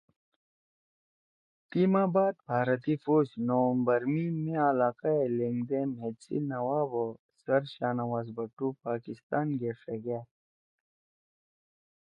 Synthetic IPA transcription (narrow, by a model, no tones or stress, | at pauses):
t̪imaːbaːd̪̚bʱaːɾət̪ifoːd͡ʑnowmbɐɾmimẽalaːkaeleŋɡd̪ẽmet͡sḭnɐwaːbo | sɐɾɕaːnɐwaːzbɐʈːupaːkɪst̪aːnɡefeɡaː